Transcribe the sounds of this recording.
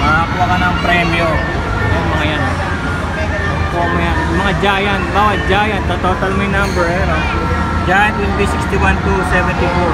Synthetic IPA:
mapwakanaŋpɾɛmio | jaŋmɐŋajan | komjanmɐŋad͡ʒajanbaːwat̪̚d͡ʒajant̪at̪ot̪almaɪnambɛɾ | d͡ʒajanwɛnt̪isikst̪iwant̪usɛvɛnt̪ifu

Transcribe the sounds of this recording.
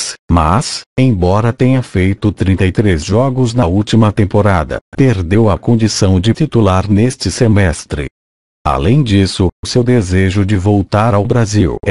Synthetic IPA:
smasẽj̃bɔɾɐt̪ẽɲɐfejt̪ʊt̪ɾĩt̪ɐjt̪ɾezʒɔɡʊznɐuwt͡ʃimɐt̪ẽmpoɾad̪ɐ̰peɾd̪ewɐkõnd͡ʒisɐ̃w̃d͡ʒɪt͡ʃit̪ulaɾnest͡ʃɪsemɛst̪ɾɪ̰ | a̰lẽj̃d͡ʒisʊʊsewd̪ezeʒʊd͡ʒɪvowt̪aɾawbɾaziw

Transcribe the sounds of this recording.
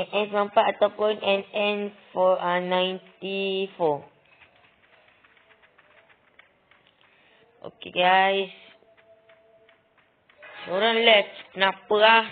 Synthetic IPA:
ʔɛ̃nsmãmpaʔat̪ɔpɔ̃nʔɛ̃nɛ̃nfɔanãjntifɔ | ʔo̰kḛɡajs | ʃɔɾə̃nlɛfnapəa

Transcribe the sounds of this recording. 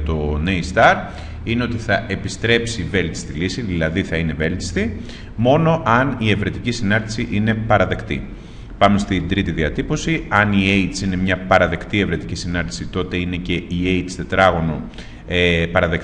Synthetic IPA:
t̪o̞neist̪ɐɾ | ine̞o̞t̪iθɐʔe̞pist̪ɾe̞psive̞lt̪i̥st̪ilisiðilɐðiθɐine̞ve̞lt̪i̥st̪i | mo̞no̞ʔɐnie̞vɾe̞t̪icisinɐnd̪isiʔine̞pɐɾɐðe̞kt̪ḭ | pɐmest̪ind̪ɾit̪iðiɐt̪ipo̞siɐnie̞it̪sine̞mɲɐpɐɾɐðe̞kt̪ie̞vɾe̞t̪i̥cisinɐnt̪i̥sit̪o̞t̪e̞ine̞ce̞ieit̪st̪e̞t̪ɾɐɣo̞no | epɐɾɐðe̞k

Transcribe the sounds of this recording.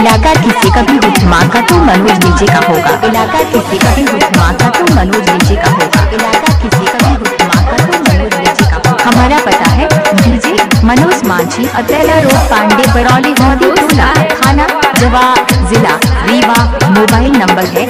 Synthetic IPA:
ɪlaːkakɪsekabʱiɦʊt̪ʰmãːkat̪omɐnoːd͡ʒleːd͡ʒekaɦoːɡa̰ːʔɪlaːkakɪsekabʱiɦʊt̪ʰmãːkat̪omɐnoːd͡ʒleːd͡ʒekaɦoːɡa̰ːɪlaːk̪akɪsekabʱiɦʊt̪ʰːmãːkat̪omɐnoːd͡ʒleːd͡ʒeːkahɐmaːɾapɐt̪aɦɛbʱiːd͡ʒemɐnoːsmãːt͡ʃʰiʔɐt̪ɛːlaɾoːɡpãːɳɖebɐɽɔːliɦʊmd̪it̪uːlakʰaːnad͡ʒɐʋaːbzɪlaɾiːʋamoːbaːɪlnɐ̃mbəɾɦɛː

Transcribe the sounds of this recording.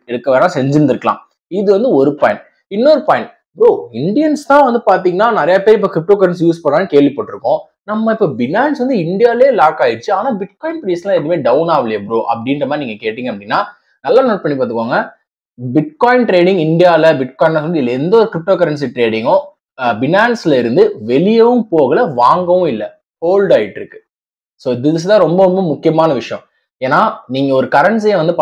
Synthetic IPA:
ɛɽɯkːɐʋeːnãːsɛɲd͡ʒɯnd̪ɪɾɯkːɐlã̰ː | ɪðɯʋɐnd̪ɯɔɾɯpaːɪɳ | ɪnːoɾɯpaːjɪɳ | bɾoːɪɳɖɪjɐnst̪ãːʋɐnd̪ɯpaːɾt̪iːŋɡɐnːaːnɪɾɐjɐpeːɾɪpːoːkɾɪp̚ʈoːkɐɾɐns̬juːspɐɳɾãːnːɯkeːɭʋipoːʈːɪɾɯkːõ | nɐmːɐɪpːoːbɪnaːnsʋɐnd̪ɯɪɳɖɪjaːleːlaːkaːjɪɾt͡ʃːɯaːnaːbɪʈ̚kɔːɪnpɾislãːɛðɐmeːɖɐʊnaːʋɪlɐjɐbɾoːʔɐ̰pɐɽinɾɐmaːɾiniːŋɡɐkeːʈːiːŋɡɐpɐɽɪnːaː | nɐlːaːnoːʈ̚pɐɳːipaːɾt̪̬ɯkːʋaːŋɡɐ | bɪʈ̚kaːɪnʈɾeːɽɪ̃ŋɡɪɳɖɪjaːlɐbɪʈ̚kɔːɪnlɐsɔnd̪ɯɪlːɐɛnd̪ɐɔɾɯkɾɪp̚ʈoːkɐɾɐɳs̬iʈɾeːɽɪŋɡʊ̃ | bɪnaːnslɐɪɾɯnd̪ɯʋɛlɪjɐʋɯmpoːɣɐlɐʋaːŋɡɐʋʊ̃ɪlːɐ | koːlɖaːjɪʈːɪɾɯkːɯ̥ | soːɪd̪ɪðɪs̬ɯt̪ãːɾɔmbɐɾɔmbɐmʊkːɪjɐmaːnɐʋɪʂɐjɐ̃ | eːnːaːniːŋɡɐɔɾɯkɐɾɐɳs̬jeʋɐnd̪ɯp

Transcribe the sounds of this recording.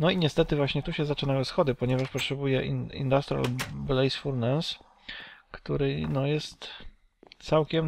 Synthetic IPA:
nɔiɲɛst̪ɛt̪ɘvwaɕɲɛt̪uɕɛzat͡ʂɘnajɛsxɔd̪ɘpɔɲɛvaʂpɔtʂɛbujɛʔiḭnd̪ast̪ɾʲia̰lblɛjsfuɾnɛs | kt̪uɾɘnɔjɛst̪ | t̪sawkʲɛm

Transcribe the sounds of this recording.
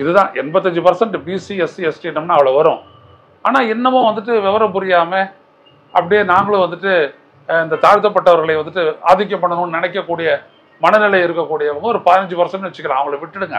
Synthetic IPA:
ɪðɯðãːʔɛnbɐt̪ːɐɲd͡ʒɯpɐɾsɐɳʈɯbisisiɛsʈiɛnːɐmnaːɐʋɐɭɐʋɐɾʊ̃ | aːnaːɛnːɐmʊ̃ʋɐnd̪ɯʈ̬ːɯʋɛʋɐɾɐpʊɾɪjaːme | ʔɐpːɐɽɪjeːnaːŋɡɐɭɯ̃ʋɐnd̪ɯʈːɯ | ɪnd̪ɐt̪aːɻt̪ːɐp̬ːɐʈːɐʋɐɾɣɐɭɐɪʋɐnd̪ɯʈːɯa̰ːðɪk̬ːɐpːɐɳːɐnʊ̃nɪnɐkːɐkːuːɽɪjɐ | mɐnɐnɪlɐjɪɾɯkːɐkːuːɽɪjɐɪʋɐŋɡɐɔɾɯpɐðɪnɐɲd͡ʒɯpɐɾsɐɳʈːɯʋɛt͡ʃːɯ̥kːɐɭãːɐʋɐŋɡɐɭɐʋɪʈːɪɽɯŋɡɐ̰

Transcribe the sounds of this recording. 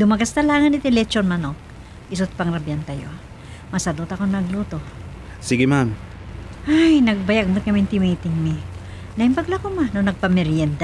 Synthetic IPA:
d̪ʊmɐɡast̪ɐlaːŋɐnɪt̪ɪlɛt͡ʃonmɐno | ʔɪsʊt̪̚pɐŋɾɐbjant̪ajo | mɐsad̪ot̪ɐkonɐɡluːt̪o | siɡɪmam | hajnɐɡ̚bɐjaɡ̚mʊt̪̚kɐmɪnt̪ɪmejt̪ɪŋmɪ | nɐʔɪmpɐɡlakomanonɐɡ̚pɐmɛɾjɛnd̪

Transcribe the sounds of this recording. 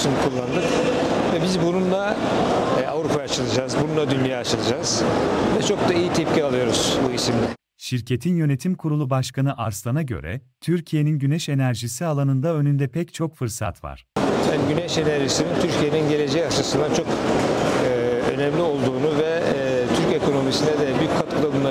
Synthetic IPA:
sunukʰulˠːand̪ɯkvɛbizbununlˠa | avɾupʰajat͡ʃʰɯlˠɯd͡ʒaːzbununlˠad̪ynjaːat͡ʃʰɯlˠɯd͡ʒaːz̥vɛt͡ʃʰo̞k̚d̪aijit̪ʰɛp̚cialˠɯjo̞ɾuz̥buisimɛ | ʃiɾcʰe̞t̪ʰinjø̞ne̞t̪ʰimkʰuɾulˠubaʃkanɯʔaɾslˠanaɟø̞̰ɾɛ̰ | t̪ʰyɾcʰije̞ninɟynɛʃe̞næɾʒisialˠanɯnd̪aø̞nynd̪ɛpʰɛct͡ʃʰo̞kfɯɾsa̰t̪va̰ɾ̥haniɟynɛʃe̞næɾʒisinint̪ʰyɾcʰije̞ninɟe̞le̞d͡ʒɛjaʃasɯnd̪at͡ʃʰokː | ø̞̰nɛmlʲio̞lˠd̪uːnuvɛ | t̪ʰyɾce̞kʰo̞no̞misinɛd̪ɛbyjycʲkʰːat̪kʰulˠabunˠa

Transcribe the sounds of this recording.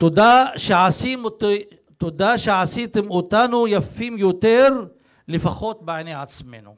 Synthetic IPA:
t̪od̪aʃeʕasimot̪ | t̪od̪aʃeʕasit̪emot̪anujafimjot̪eɾ | lefaxot̪̚beʕneʕat͡smenu

